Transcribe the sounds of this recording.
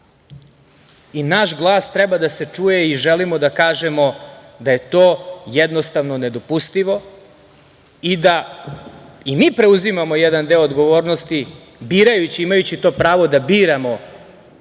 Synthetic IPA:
inaʃɡlˠaːst̪ɾɛbad̪ase̞t͡ʂuːjeiʒelimo̞d̪akaːʒemo̞d̪aje̞t̪o̞ːjɛd̪nost̪aʋno̞ne̞d̪o̞pust̪iʋo̞ | id̪a | imiːpɾe̞uzimamo̞jɛd̪and̪e̞oːd̪ɡo̞ʋo̞ːɾnost̪i | biːɾajut͡ɕiimajut͡ɕit̪o̞ːpɾaːʋo̞d̪abiːɾamo̞

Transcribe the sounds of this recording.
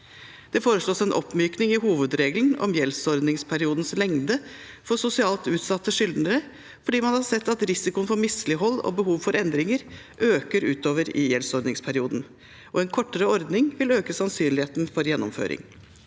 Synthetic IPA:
d̪̥ɛfoːɾəʂɭoːsɛnʔɔ̰pːmyːknɪŋɪhuːʋəd̪ɾeːɡln̩ɔ̰mjɛlsɔɾd̪nɪŋspʰæɾɪuːd̪n̩slɛŋd̪ə | fɔsʊsɪɑːlt̪ʉːt̪sɑt̪ːəʂʏld̪nəɾə | fɔɖiːmɑnhɑɾsɛt̪ːɑt̪ɾɪsɪkʊənfɔɾmɪslɪɦɔlːɔ̰bəɦuːʋfɔɾɛnd̪ɾɪŋəɾ | ʔøːkəɾʉːt̪oːʋəɾɪ̰jɛlsɔɾd̪nɪŋspʰæɾɪuːd̪n̩ | ʔɔɛnkʰɔʈːəɾəɔɾd̪nɪŋʋɪløːkəsɑnsyːnlɪheːt̪nfɔɾjɛnːɔmfø̰ːɾɪ̰ŋ

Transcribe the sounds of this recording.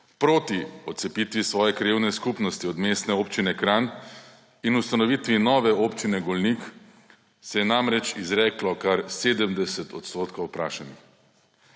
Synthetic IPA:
pɾoːt̪iɔt̪sɛpit̪ʋisʋɔːjɛkɾiwnɛskupnɔst̪iɔd̪meːst̪nɛoːpt͡ʃinɛkɾaːn | inust̪anɔʋiːt̪ʋinɔːʋɛopt͡ʃinɛɡolnik | sɛjɛnamɾɛt͡ʃizɾɛːklɔkaɾseːd̪əmd̪ɛsɛt̪ɔt̪st̪oːt̪kowpɾaːʃanix

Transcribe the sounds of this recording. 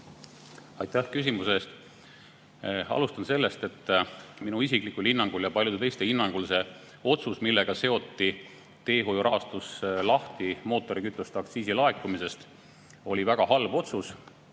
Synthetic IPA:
ɑjt̪ːæhkys̬ʲimuse̞st̪ | ɑ̰lust̪ɑnse̞lːe̞st̪e̞t̪ːˑminuisikˑlikulhinːɑŋɡ̥uljɑpɑlʲjud̪̥et̪ejst̪e̞hinːɑŋɡ̥ulse̞ | o̞t̪susmilːe̞ɡ̥ɑse̞o̞t̪ːi | t̪e̞ːɦojuɾʔɑːst̪uslɑht̪imo̞ːt̪ːˑo̞ɾikyt̪ˑːust̪ɑkt̪siːsilɑekːumise̞st̪ | o̞lʲivæɡ̥ɑɦɑlbo̞t̪sus

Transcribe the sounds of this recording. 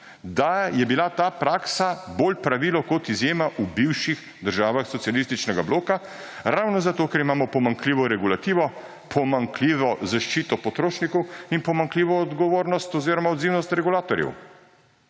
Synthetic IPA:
d̪ajɛbilat̪aːpɾaːksaboːlpɾaʋiːlɔkɔt̪izjeːmaʔubiwʃix | d̪əɾʒaːʋaxsɔt̪sialist̪it͡ʃnɛɡabloːka | ɾawnɔzat̪oːkɛɾimaːmɔpɔmaŋkliːʋɔɾɛɡulat̪iːʋɔ | pʰɔmaŋkliːʋɔzaʃt͡ʃiːt̪ɔpɔt̪ɾoːʃnikɔwinpɔmaŋkliːʋɔːd̪ɡɔʋoːɾnɔst̪ɔziːɾɔmaɔd̪ziːwnɔst̪ɾɛɡulaːt̪ɔɾjɛ̰w

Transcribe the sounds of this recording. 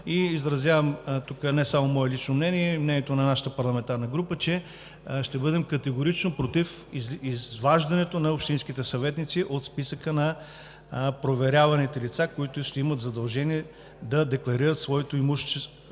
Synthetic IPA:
iːzɾɐzʲjavəmt̪ukənɛsamomɔɛlit͡ʃnomnɛniɛmnɛniɛt̪onɐnaʃə̥t̪əpɐɾlˠɐmɛnt̪aɾnəɡɾupət͡ʃɛ | ʃt̪ɛbɤd̪ɛmkɐt̪ɛɡʊɾit͡ʃnopɾot̪if | izvaʒd̪ɐnɛt̪onɐopʃt̪insk̟it̪ɛsɐvɛt̪nit̪siʔot̪spisəkənɐ | pɾovɛɾʲavɐnit̪ɛlit̪sakoit̪ʊʃt̪ɛimət̪zɐd̪ɐlˠʒɛniɛ | d̪ɐd̪ɛklˠɐɾiɾət̪svɔɛt̪oimuʃt͡ʃɛ

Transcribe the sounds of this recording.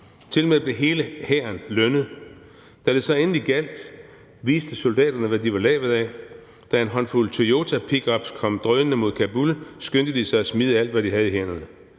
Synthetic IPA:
t͡sʰe̝lmeb̥le̝ɦe̝ːləhæːɐnlønəð̩ˠ | d̥æ̥l̥esɑ̈ɪen̩liɡ̥æl̰d̥ | ʋiːsd̥əsold̥ɛ̰ːd̥ɐnəʋæd̥iʋɑ̈lɛ̰ːʋð̩ˠɛ | d̥æe̝nɦɒ̽n̰fult͡sʰoo̝ːt͡sʰæpʰiɡ̥ɒ̽b̥skʰɒ̽m̰d̥ʁœːənəmo̝ðˠkʰæb̥ulsɡ̥ønd̥əd̥isɑ̈ɪɒsmið̞ˠəæl̰d̥ʋæd̥iɦæð̞̩ˠiɦen̰ɐnə

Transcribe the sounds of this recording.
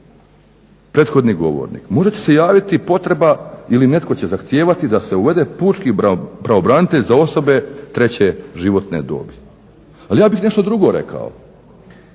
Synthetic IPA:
pɾet̪xo̞d̪niɡo̞̰ʋo̰ɾnḭkmo̞ʒe̞t͡ɕese̞jaːʋit̪ipo̞t̪ɾe̞bailine̞t̪ko̞t͡ɕe̞zaxt̪je̞ːʋat̪id̪ase̞uʋe̞d̪e̞puːt͡ʃkipɾaobɾaːnit̪e̞ʎzao̞so̞be̞t̪ɾe̞t͡ɕe̞ʒiʋo̞t̪ne̞̰d̪o̰ːbi | alijaːbixne̞ʃt̪od̪ɾuɡo̞ɾe̞̰kʰa̰o̰

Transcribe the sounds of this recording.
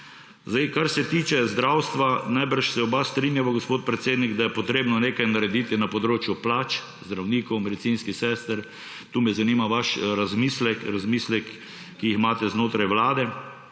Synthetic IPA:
zd̪ajkaɾsɛt̪iːt͡ʃɛzd̪ɾawst̪ʋanajbəɾʃsɛɔbast̪ɾinjaʋaɡospot̪̚pɾɛt̪seːd̪niɡd̪ajɛpɔt̪ɾeːbnɔneːkajnaɾɛd̪iːt̪inapɔd̪ɾoːt͡ʃjuplaːt͡ʃ | zd̪ɾawniːkɔwmɛd̪ɛt̪sinskisɛːst̪əɾ | t̪uːmɛzaniːmaʋaʃɾazmiːslɛkɾazmiːslɛkː | iixmaːt̪ɛznoːt̪ɾajʋlaːd̪ɛ

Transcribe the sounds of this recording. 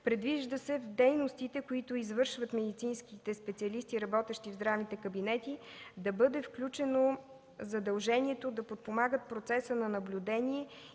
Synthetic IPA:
pɾɛd̪viʒd̪əsɛvd̪ɛjnost̪it̪ɛkoit̪ʊizvɤɾʃvət̪mɛd̪it̪sinskit̪ɛspɛt̪siɐlist̪iɾɐbɔt̪ɛʃt̪ivzd̪ɾavnit̪ɛkɐbinɛt̪id̪ɐbɤd̪ɛfklʲut͡ʃɛno | zɐd̪ɐlˠʒɛniɛt̪od̪ɐpot̪̚pomaɡət̪̚pɾot̪sɛsənɐnɐblʲud̪ɛniɛ

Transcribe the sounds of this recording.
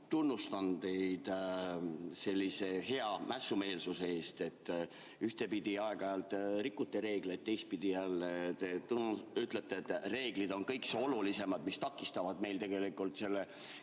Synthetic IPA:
t̪unːust̪ɑnd̪e̞jd̪̥ | se̞lʲːise̞he̞ɑmʔæsːume̞ːlsusee̞ːst̪e̞t̪ːˑ | yht̪e̞pid̪̥iɑeɡ̥ɑɑjɑlt̪ːˑɾikːut̪ːˑeɾe̞ːɡ̥let̪̚t̪ːe̞jst̪̚pid̪̥ijælːet̪et̪unyt̪let̪ːˑeːt̪ːre̞ːɡ̥lid̪o̞nkɤjkseo̞lulise̞mɑd̪mist̪ɑkːˑist̪ɑvɑd̪me̞jlt̪e̞ɡe̞likːˑult̪se̞lːe

